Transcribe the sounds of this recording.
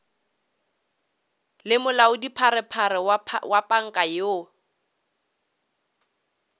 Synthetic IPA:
lɪmʊlaʊdipʰaɾɪpʰaɾɪwapʼaŋ̩kʼajo

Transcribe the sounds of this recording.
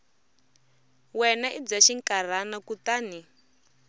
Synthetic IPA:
wɛnaʔid͡zaʃiŋkʼar̤anakutaːni

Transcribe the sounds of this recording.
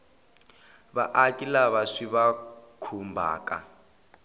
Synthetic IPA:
βaʔakʼilaβaʂiβakʰumbʱa̰ːkʼa̰

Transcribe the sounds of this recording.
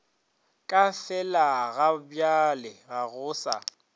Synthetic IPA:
kʼafɛlaɣabjalɪɣaɣʊːsa̰

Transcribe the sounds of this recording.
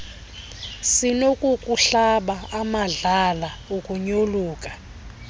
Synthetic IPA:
sinokʼukʼuɬaɓaamaɮalaukʼuɲoluːkʼḁ

